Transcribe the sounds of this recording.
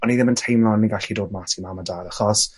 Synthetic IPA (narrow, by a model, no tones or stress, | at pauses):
ɔniðɪməntʰejmlˠanːiɡaɬidoːdmatʰimamadaːɾaχɔs